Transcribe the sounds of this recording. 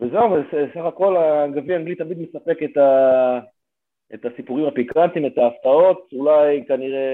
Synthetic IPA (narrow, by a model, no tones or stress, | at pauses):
vezeuvesesaχako̞laːɡaviaŋɡlit̪ːamid̪mesape̞ket̪a | et̪asipuʁimapikant̪imet̪aːft̪ao̞t̪ulajkaniʁe